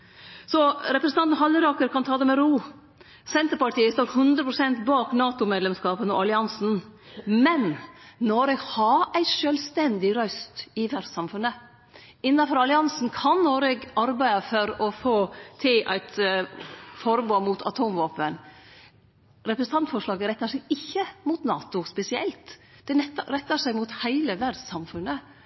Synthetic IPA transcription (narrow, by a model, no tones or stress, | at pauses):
sɔɾɛpɾəsn̩ɑnt̪n̩ɦɑlːɪɾɑːkəɾkʰɑnt̪ʰɑːd̪ɛmɛɾuː | sɛnt̪əɾpɑʈiːəst̪oːt̪hʉnd̪ɾəpʰɾʊsɛnt̪bɑːknɑːt̪ʊmeːd̪lɛmskɑːpənɔ̰ɑlɪɑnsn̩ | mɛnnɔɾɛɡhɑɾæɪʃølst̪ɛnd̪ɪɾœst̪ɪʋæɾsɑmfʉnə | ɪnːɑfɔɾɑlɪɑnsn̩kʰɑnːɔɾɛɡɑɾbæɪɑfɔɾɔfoːt̪ʰɪlʔæ̰ɪt̪ | fɔɾboːmʊt̪ʰɑ̰t̪ʰuːmʋoːpən | ɾɛpɾəsn̩t̪ʰɑnt̪fɔʂɭɑːɡəɾɛt̪ːəʂɛɪɪçːəmʊt̪nɑːt̪ʊspɛsɪɛ̰lt̪d̪̥ɛɛɾɛt̪ːəʂæɪmʊt̪hæɪləʋæɾɖsɑmfʉnə